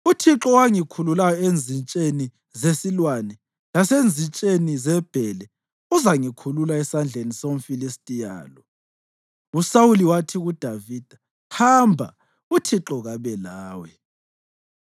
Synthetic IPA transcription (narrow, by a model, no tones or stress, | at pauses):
utʰiǁɔwaŋikʰululajɔend͡zʱint͡ʃʼeni | zesilwanɛ | lasend͡zʱint͡ʃʼenizɛb̥ʱɛlɛ | uzaŋikʰululaɛsand͡ɮʱenisom̩filistʼija̰ːlɔ | usawuliwatʰiɣud̥ʱaviːd̥ʱḁ | hambʱa̰ | utʰiǁɔɣaβɛlaːwɛ